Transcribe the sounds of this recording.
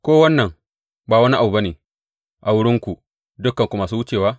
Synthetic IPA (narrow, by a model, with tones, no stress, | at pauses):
kʷoː˦wɐ˦nːɐ˨ŋ | baː˨wɐ˦ni˦ʔa˨u˨ba˦neː˨ | ʔa˨wʊ˦ɽɪ˦ŋkʷu˨ | dʊ˦kːɐ˨ŋkʷu˨maː˨suː˦wʊ˦t͡ʃeː˨waː˦